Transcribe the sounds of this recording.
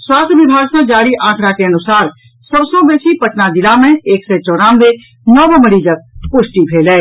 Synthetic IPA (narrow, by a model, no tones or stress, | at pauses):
swaːst̪ʰjəʋɪbʱaːɡsãd͡ʒaːɽiʔãːkʰɾakeənʊsaːɾ | səbsɔ̃beːsipəʈnad̪ɪlamẽeːksɛt͡ʃɔːɾãːnʋe | nɔːbəməɽid͡ʒək̚pʊʃʈipʰeːlɛː